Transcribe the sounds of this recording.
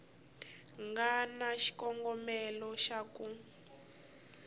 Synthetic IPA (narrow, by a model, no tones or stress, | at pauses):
ŋɡanaʃi̥kɔŋɡɔmɛlɔʃaku